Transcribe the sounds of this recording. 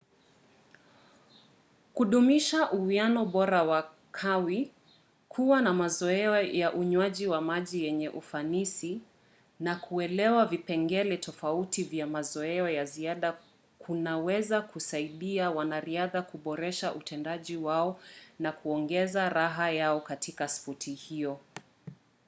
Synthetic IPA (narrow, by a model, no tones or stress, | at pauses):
kuɗumiʃaʔuuanɔɓɔɾawa | kʰawi | kʰuwanamazɔɛɔjaʔuɲwaʄiwamaʄijɛɲɛʔufanisi | nakʰuɛlɛwavipɛŋɡɛlɛtʰɔfautivjamazɔɛɔjaziaɗa | kʰunawɛzakʰusaiɗiawanaɾiaðakuɓɔɾɛʃaʔutʰɛndaʄiwaɔnakuɔŋɡɛzaɾaɦajaɔkatʰikasfɔtʰihiɔ